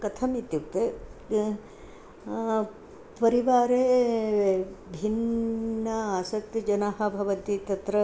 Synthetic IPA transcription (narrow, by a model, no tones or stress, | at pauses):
kɐt̪ʰɐmit̪jukt̪e | pɐɾiʋaːɾeː | bʱinː | ɐaːsɐk̚t̪id͡ʒɐnaːɦɐbʱɐʋɐnt̪it̪ɐt̪ɾɐ